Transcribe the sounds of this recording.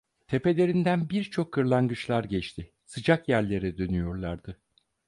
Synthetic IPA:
t̪ʰe̞pe̞lʲe̞ɾind̪ænbiɾt͡ʃʰo̞kʰːɯɾlˠanɡɯt͡ʃlˠaɾɟɛt͡ʃt̪ʰɪ | sɯd͡ʒakjæɾlʲe̞ɾɛd̪ø̞nyjo̞ɾlˠaɾd̪̥ɯ

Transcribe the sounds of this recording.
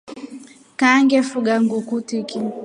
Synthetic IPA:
kaŋɡɛfuɡaŋɡukutiki

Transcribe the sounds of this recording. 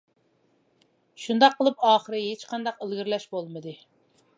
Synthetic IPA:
ʃund̪ɑqʰːəlˠɨpɑːχəɾɨɦet͡ʃqɑnd̪ɑqəlˠɡʲiɾlɛʃbolˠmɨd̪ɨ

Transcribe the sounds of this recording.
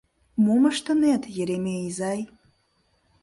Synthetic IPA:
mumɐʂtʰanetʰjeɾemejizaj

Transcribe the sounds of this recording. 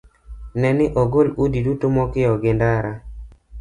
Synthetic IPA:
nɛnɪʔoɡoludidutomɔkɪɔɡɪndaɾa

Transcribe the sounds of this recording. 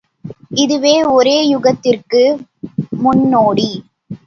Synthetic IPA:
ɪðɯʋeːɔɾeːjʊɣɐt̪ːɪrkɯ | mʊnːoːɽi

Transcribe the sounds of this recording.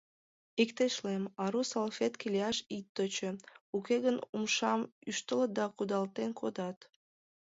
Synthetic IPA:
ikt̪eʃlˠemɑɾusalˠfʲet̪kʲilʲiɑʃit̪ːøt͡ʃøukeɡɘnumʃɑmyʃt̪ɨlˠɤd̪ɑkud̪ɑlˠt̪eŋkʰod̪ɑt̪

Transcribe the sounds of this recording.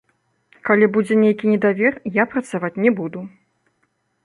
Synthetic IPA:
kalʲibud͡zʲɛnʲejkʲinʲɛd̪avʲɛrjapɾɐt̪savat͡sʲnʲɛbud̪u

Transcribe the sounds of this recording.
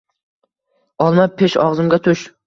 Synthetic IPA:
ɒlˠmapʰːeʃɒʁzɨmɡʲat̪ʰʊʃ

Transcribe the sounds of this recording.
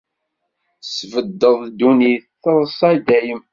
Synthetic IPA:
svəd̪ːəðˤd̪ːuniθθəɾˤsˤɑd̪æjəm

